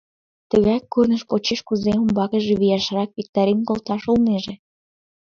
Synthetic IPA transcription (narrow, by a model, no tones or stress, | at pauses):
t̪əɣɑjkːurnəʃpot͡ɕeʃkuzeumbɑkəʒeβijɑʃrɑk̚βik̚t̪ɑɾinkolt̪ɑʃolneʒe